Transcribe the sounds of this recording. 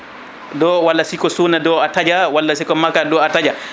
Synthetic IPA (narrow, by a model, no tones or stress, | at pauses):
dɔwalːasikɔsunadɔatad͡ʒawalːasikɔmakadɔatad͡ʒa